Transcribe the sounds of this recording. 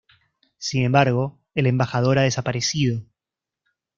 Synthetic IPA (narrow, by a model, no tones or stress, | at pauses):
sine̞mbaɾɣ̞o̞ | ele̞mbaxað̞o̞ɾaðe̞sapaɾesið̞o̞